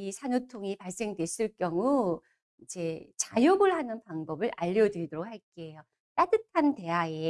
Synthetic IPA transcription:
isʰanutʰoŋipaɭs͈e̞ŋdwe̞s͈ɯɭk͈jʌŋu | id͡ʑe̞t͡ɕajoɡɯɭɦanɯnpaŋbʌbɯɾʔaʎːʌdɯɾidoɾok̚haɭk͈ejo | t͈adɯtʰante̞ɦaje

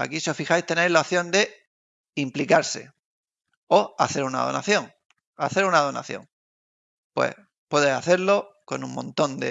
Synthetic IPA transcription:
a̰kiseofixajst̪enejzlaoθjo̞nd̪e̞ | implikaɾse̞̰ | o̞a̰θe̞ɾuna̰ðo̞na̰θjo̞ŋ | a̰θe̞ɾunað̞o̞na̰θjõ̞̰ŋ | pwe̞̰h | pwe̞ðesaθe̞ɾlo̞ko̞nuŋmõnt̪o̞nd̪ḛ

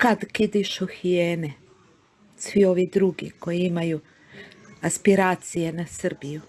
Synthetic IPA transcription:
kad̪kid̪iʃoxijeːne | sʋio̞ʋid̪ɾuɡḭko̞jiimaju | aspiɾaːt̪sijenasrbiju

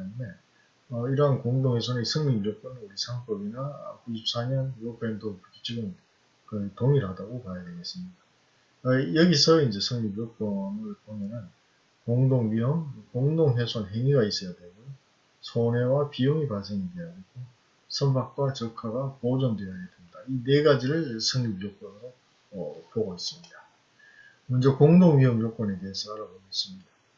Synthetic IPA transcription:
nme̞ | ʌiɾʌɦankoŋdoŋesʰʌnɯisʰɯŋmimiɾʌk͈ʌnuɾisʰaŋp͈ʌbina̰kuɕʰip̚s͈aɲʌnopʰendopuk͈ʰit͡ɕ͈ʰiɡɯn | kɯtoŋiɾɦadaɡopajade̞ɡe̞s͈ɯmɲida | ʌjʌɡisʰʌind͡ʑe̞sʰɯŋmibiɾok̚p͈ʌmɯɭbomjʌnɯn | koŋdoŋɥiʌmkoŋdoŋɦesʰonɦeŋiɡais͈ʌjadwe̞mo | sʰone̞wapijoŋipasʰeŋide̞anɯɡo | sʰʌmbak̚k͈wat͡ɕʌkʰaɡapod͡ʑʌndwejʌajadwe̞mɲidaine̞ɡad͡ʑiɾɯɭsʰʌŋɲibjok͈ʌnɯɾo | ʌpoɡois͈ɯmɲida | mʌnd͡ʑʌkoŋdoŋɥiɦʌmjok͈ʌne̞de̞ɦesʰʌaɾaboɡois͈ɯmɲida

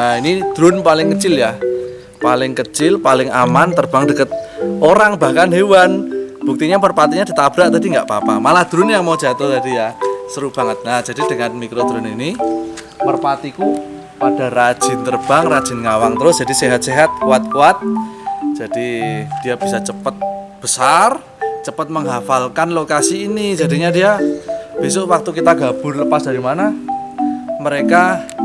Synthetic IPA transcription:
ainid̪̥ɾʊnpalɪŋkət͡ʃɪljah | palɪŋkət͡ʃɪlpalɪŋamant̪ərb̥aŋdəkət̪̚ʔoɾaŋb̥ahkanɦewanb̥uk̚t̪iɲamərpat̪iɲad̥i̤t̪ab̥ɾaʔt̪adiŋɡaʔpapa̰malahd̪̥ɾʊnjaŋmaud͡ʒ̥at̪ɔht̪adijasəɾub̥a̤ŋət̪̚nahd͡ʒ̥adid̥əŋanmikɾod̪̥ɾʊnini | mərpat̪iku | pad̥a̤rḁʒ̥ɪ̤nt̪ərb̥aŋrad̥ʒ̥ɪ̤nŋawaŋt̪əɾʊsd̥ʒ̥adiseɦat̪̚seɦat̪̚kuat̪̚kuat̪̚d͡ʒ̥ad̥id̥ijab̥isat͡ʃəpət̪̚b̥əsar | t͡ʃəpət̪̚məŋɦafalkanlokasiːnid͡ʒa̤diɲadiab̥esoʔwak̚t̪ukit̪aɡab̥ʊ̤rləpasd̥a̤ɾimana | məɾeka

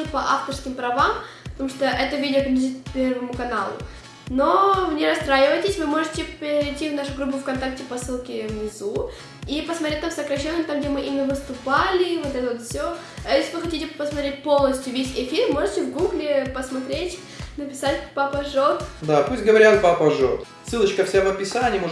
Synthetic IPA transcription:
ɨpɐʔaft̪ərskʲɪmpɾɐvampət̪ɐmuʂt̪oʔɛt̪əvʲidʲɪopkʲɪlʲzʲit̪pʲervəmʊkɐnalˠʊ̰ | no̞vnʲeɾɐst̪ɾajɪvəjtʲɪsʲvɨmo̞ʐɨtʲɪptʲːivnaʂʊɡɾubʊfkɐnt̪ak̚tʲɪpɐsɨlˠkʲɪvnʲɪzu | ipəsmɐt̪ɾʲet̚ʲt̪amsəkɾɐɕːenːəmt̪amɡ̚dʲemɨʔimʲɪnəvɨst̪ʊpalʲɪvot̪ɛt̪əvot̪fsʲo | jesʲlʲɪvɨxɐtʲitʲɪpəsmɐt̪ɾʲet̚ʲpo̞lˠnəsʲtʲjʊvʲesʲɪfʲirmo̞ʐɨtʲɪvɡuɡlʲɪpəsmɐt̪ɾʲetʲ | nəpʲɪsatʲpɐpəʐot̪d̪apusʲtʲɡəvɐɾʲat̪̚pɐpɐʐot̪ | sɨlˠət͡ɕkəfsʲavəpʲɪsanʲimoʐ

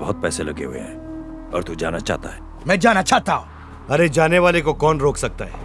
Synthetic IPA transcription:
bɐɦʊt̪̚pɛːselɐɡḛɦʊḛɦɛ̰̃ | ɔ̰ːɾt̪ud͡ʒa̰ːnat͡ʃa̰ːɦt̪a̰ɦɛː | mɛ̃ːd͡ʒaːnat͡ʃaːt̪aɦũː | ɐɾed͡ʒaːneʋaːlekokɔːnɾoːkʰsɐk̚t̪aɦɛː

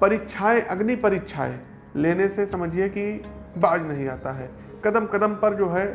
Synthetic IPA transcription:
pɐɾiːkʃʰaːẽʔɐɡnipɐɾiːkʃʰa̰ːḛ̃ | leːnesesɐməd͡ʒʱieki | baːd͡ʒnɐɦĩa̰ːt̪aɦɛː | kɐd̪əmkɐd̪əmpɐɾd͡ʒoːɦɛ

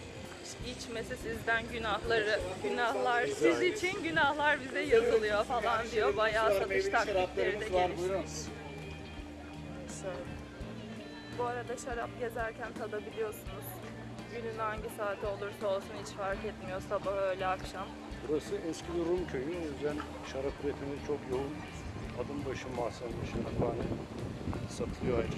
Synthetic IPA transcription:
ʃit͡ʃmesɛsizd̪ænɟynahlˠaɾɯɟynahlˠaɾsizit͡ʃʰinɟynahlˠaɾbizɛjazɯlˠɯjo̞falˠand̪ijo̞bajaːsat̪ɯʃt̪ʰakliclʲeɾɾid̪ɛɟelʲiʃt͡ʃ | a | ʃølɛ | buaɾad̪aʃaɾap̚ɟe̞zæɾcʰænt̪ʰad̪abilʲijo̞sunuz̥ | ɟynynhaɲɟisaːt̪ʰo̞lˠuɾsaolˠsunhit͡ʃfaɾkɛt̪mijo̞sabahø̞jlʲɛakʃam | buɾasɯɛscʰibiɾumcʰøjyo̞jyzd̪æn | ʃaɾapɾet̪ʰimizt͡ʃʰo̞kjoun | ad̪ɯnbaʃɯmasaaʃɯd̪abaːnɛ | sat̪ʰɯlˠɯjoa

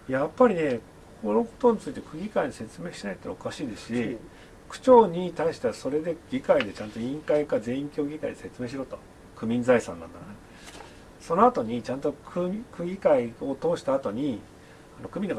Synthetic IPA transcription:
japːaɾʲine̞k | kkʰo̞no̞ko̞̥t̪o̞ɲ̟it͡sɨit̪e̞kɯ̟ɡʲikaiɲise̞t͡sɨme̞ːɕinait̪ːoɾa̰okaɕiːd̪e̞ɕi | kɯ̟̥t͡ɕo̞ːɲ̟it̪aiɕi̥t̪easo̞ɾe̞d̪e̞ɡ̥ʲikaid̪e̞t͡ɕãnt̪oĩŋkaikazẽ̞ĩŋkʲo̞ːɡʲikaḭd̪ese̞t͡sɨme̞ːɕ̬iɾot̪o̥̰ | kɯ̟mʲĩnd͡zaisã̰nːã̰nd̪ane | so̞no̞at̪o̞ɲ̟it͡ɕãnt̪o̞kʰɯkɯ̟ɡʲikaio̞t̪o̞ːɕi̥t̪aːt̪o̞ɲ̟i | ano̞̰kɯ̟mʲino

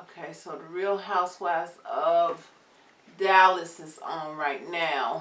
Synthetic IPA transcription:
oʊkʰeɪsoʊðɨɹilˠɦaʊswæsʌv | dælˠɨsɨzn̩ɹaɪtⁿnaʊ

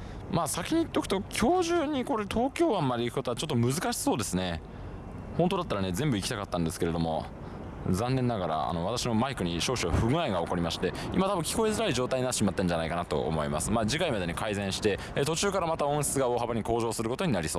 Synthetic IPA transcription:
maːsakʲiɲ̟iːt̪ːo̞kɯ̟t̪o̞kʲʰo̞ːʑɨːɲ̟ːiko̞ɾe̞t̪ʰo̞ːkʲo̞ːβamːaɾʲiikɯ̟kot̪oat͡ɕo̞t̪ːomɯ̟zɨkaɕi̥so̞ːd̪e̞sɨne̞ | hõ̞nt̪o̞d̪at̪ːaɾane̞zẽ̞mbɯikʲi̥t̪akat̪ːãnd̪e̞sɨ̥ke̞ɾe̞d̪o̞mo̞̰ | zãnːẽ̞nːaɡaɾa̰a̰no̞βat̪aɕino̞maikɯ̟ɲ̟iɕo̞ːɕoβaɸɯ̟ɡɯ̟aiɡaoko̞ɾʲimaɕi̥t̪e̞ḭmat̪abɯ̟ŋ̃kʲi̥ko̞e̞zɨɾaiʑo̞ːt̪aiɲinat̪ːt͡ɕːiɕimat̪ːẽɲ̟d͡ʑanaikanat̪o̞̰ʔo̰mo̞ḭma̰sɨmaːd͡ʑikaimad̪e̞ɲ̟ikaizẽ̞ɰ̃ɕi̥t̪e̞t̪o̞t͡ɕɨːkaɾamat̪aõ̞ɕi̥t͡sɨɡao̞ːhabaɲ̟iko̞ːʑo̞ːsɨɾɯ̟ko̞t̪o̞ɲ̟inaɾʲiso̞ː

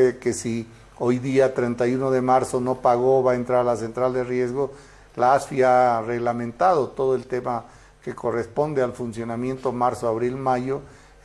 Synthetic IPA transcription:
ke̞si | ojðiat̪ɾent̪ajuno̞ðe̞maɾso̞no̞paɣo̞βaent̪ɾaɾalase̞nt̪ɾald̪erje̞zɣo̞ | laasfiare̞ɣlamẽ̞nt̪að̞o̞t̪o̞ðoe̞lt̪e̞ma | ke̞ko̞re̞spo̞nd̪e̞alfunsjo̞namje̞nt̪omaɾsoaβɾilmajo̞

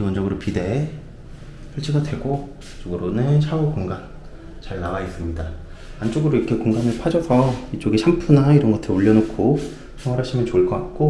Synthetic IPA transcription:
kiwʌnd͡ʑʌɡɯɾopide̞ | sʰʌɭt͡ɕ͈ʰiɡadwe̞ɡo | t͡ɕ͈oɡɯɾonɯɕʰaɡokoŋɡan | t͡ɕaɭnaɡais͈ɯmɲida | ant͡ɕ͈oɡɯɾoikʰe̞koŋɡanɯɭpʰad͡ʑʌsʰʌit͡ɕ͈oɡiɕʰampʰunaiɾʌnɡʌtʰeoʎːʌnokʰo | sʰʌŋwaɾɦaɕʰimjʌnt͡ɕoɭk͈ʌk͈ak̚k͈o

